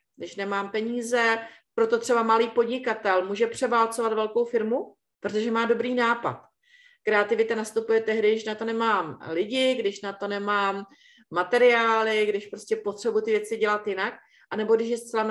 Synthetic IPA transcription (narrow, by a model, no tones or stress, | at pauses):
ɡdɪʃnɛmaːmpɛɲiːzɛpɾo̞t̪o̞t̪r̥ɛbamaliːpo̞dɲɪkat̪ɛlmuːʒɛpr̥ɛvalt͡so̞vat̪vɛlko̞wfɪɾmu | pɾot̪o̞ʒɛmaːdo̞bɾiːnaːpa̰t̪ | kɾɛat̪ɪvɪt̪anast̪upujɛt̪ɛɦdɪdɪʃnat̪o̞nɛmaːmlɪɟɪɡdɪʃnat̪o̞nɛmaːmː | at̪ɛɾɪaːlɪɡdɪʃpɾo̞scɛpo̞t̪r̥ɛbuʊjt̪ɪvjɛt͡sɪɟɛlat̪jɪnak̚ | ʔanɛbo̞ɡdɪʃ̬jɛst̪t͡sɛla